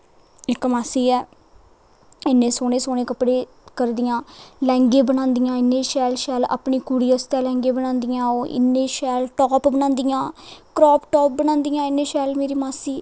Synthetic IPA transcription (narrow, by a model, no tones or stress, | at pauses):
ɪkmaːsiːɛː | ɪnːẽːsoːnẽːsoːneːkəpɽeː | kəɾd̪ɪjãːlɛ̃ːŋɡeːbəñãːnd̪ɪjãːɪnːẽːʃɛːlʃɛːla̰ːpɳiːkuːɽiːəst̪ɛːlɛ̃ːŋɡeːbənãːnd̪ɪjãːoːɪ̰nːẽːʃɛːlʈɔːpbəñãːnd̪ijãːkɾɔːpʈɔːp̚bənãːnd̪ɪjãːɪnːẽːʃɛːlmeːɾiːmaːsiː